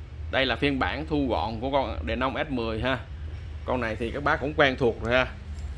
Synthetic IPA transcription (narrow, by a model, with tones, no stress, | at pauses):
ɗə˧jlaː˨˩fi˧ənɓaː˧˩nt̪ʰu˧ɣɔ̰˧˨nku˨˧˩əkɔ˧nɗe˨˩na˧wmʔɛ˦˥t̚mɨ˨˩əjɦaː˧ | kɔ˧nːa˨˩jt̪ʰi˨˩kaː˦˥k̚ɓaː˦˥kʊ̰˧˥ŋ͡mkwɛː˧nt̪ʰu˨˩ək̚zo˨˩jhaː˧